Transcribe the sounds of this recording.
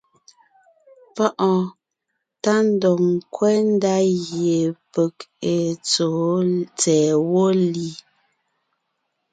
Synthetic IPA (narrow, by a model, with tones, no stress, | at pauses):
pɔ˦ʔɔ˨ | ta˦n˦dɔ˨ŋ˨kwɛ˦n̩˦da˦ɣje˨pə˨ke˨t͡soː˨˦t͡sɛː˨wo˦li˨˦